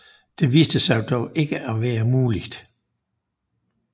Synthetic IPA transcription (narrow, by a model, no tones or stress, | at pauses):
d̥e̝ʋiːsd̥əsɑ̈ɪd̥ɒʊʔe̝ɡ̥əʔæʋæːɐmuːli̥d̥